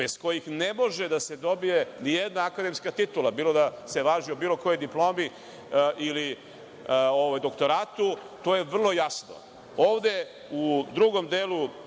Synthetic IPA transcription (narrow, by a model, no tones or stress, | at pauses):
besko̞jixne̞mo̞ʒed̪ase̞d̪o̞bije̞nijed̪naːkad̪e̞mskat̪it̪ulˠabiːlˠo̞d̪aseʋaːʒiobiːlˠo̞ko̞jo̞jd̪iplo̞ːmi | ʔili | oʋajd̪o̞kt̪o̞ɾaːt̪u | t̪o̞ːje̞ʋr̩lˠo̞jasno̞̰ | oːʋd̪e̞ | ud̪ɾuɡo̞md̪eːlu